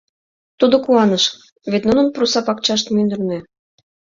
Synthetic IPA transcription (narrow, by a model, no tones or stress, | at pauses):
t̪ud̪ŏkuɑnəʃ | βet̪nunə̆nprusɑpɑkt͡ɕɑʃ̬t̪mynd̪ərne